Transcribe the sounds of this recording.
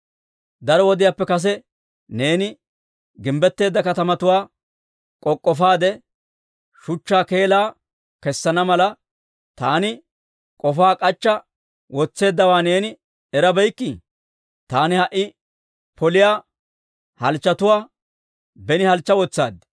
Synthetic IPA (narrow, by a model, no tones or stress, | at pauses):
d̪ɐɾɔwɔd̪ɪjaːpːɛkɐs̬ɛ | ne̞ːnɪ | ɡɪmbɛt̪ːe̞ːd̪ːɐkɐt̪ɐmɐt̪ʊwaː | kʼɔkʼːɔfaːd̪ɛ | ʃʊt͡ʃːaːke̞ːlaː | kɛsːɐnɐmɐlɐ | t̪aːnɪ | kʼɔfaːkʼɐt͡ʃːɐ | wɔt͡sːe̞ːd̪ːɐwaːne̞ːnɪ | ɛɾɐbɛjkːɪ | t̪aːnɪhɐʔːɪ | pʰɔlɪjaː | hɐlt͡ʃːɐt̪ʊwaː | bɛnɪhɐlt͡ʃːɐwɔt͡sːa̰ːd̪